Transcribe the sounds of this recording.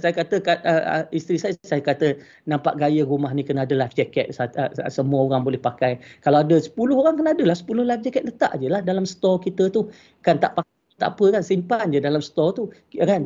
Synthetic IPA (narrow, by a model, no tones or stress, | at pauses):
sajakat̪əkat̪̚əə̰ist̪ɾisajsajakat̪ə | nãmpa̰ʔɡajəɾumaɦnikənadəlajfd͡ʒɛkɛt̪̚saəsəmuəoɾaŋbolɛhpakajkalawadəsə̥pulʊɦoɾaŋkənaadəlahsə̥pulʊhlajfd͡ʒɛkɛt̪̚lət̪a̰ʔd͡ʒəlahdalamst̪ɔrkit̪ət̪u | kant̪a̰ʔpakat̪a̰ʔapəkansimpand͡ʒədalamsə̥t̪ɔrt̪u | kan